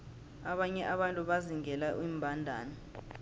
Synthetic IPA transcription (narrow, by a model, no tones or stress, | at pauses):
aɓaɲɛʔaɓantʼuɓaziŋɛlaʔwiːmbʱandʱa̰ːnɔ